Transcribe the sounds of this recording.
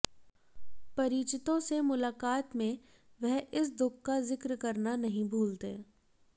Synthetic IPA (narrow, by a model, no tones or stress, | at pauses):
pɐɾiːt͡ʃɪt̪õsemʊlaːkaːt̪mẽ | ʋɛɦɪs̬d̪ʊkːazɪkɾkɐɾnanɐɦĩbʱuːlt̪ḛː